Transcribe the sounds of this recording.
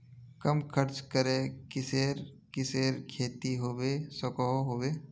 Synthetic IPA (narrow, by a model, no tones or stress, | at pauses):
kɐmkʰəɾt͡ʃkəɾekɪseːɾ | kɪseːɾkʰeːt̪iɦoːʋesɔkɔɦoɦoːʋeː